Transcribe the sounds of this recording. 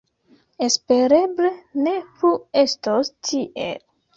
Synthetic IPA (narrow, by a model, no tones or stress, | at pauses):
espeɾebleneɾuestostʰiʔḛl